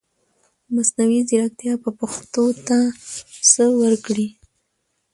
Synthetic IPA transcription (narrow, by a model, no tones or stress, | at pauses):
masnawiziɾak̚t̪jɑpəpaxt̪ot̪asəwəɾkɽi